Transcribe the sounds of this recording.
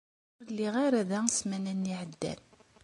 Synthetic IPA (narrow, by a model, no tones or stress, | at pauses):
ʊɾlːiʁaɾæðæsmænænːiʕəd̪ːæ̰n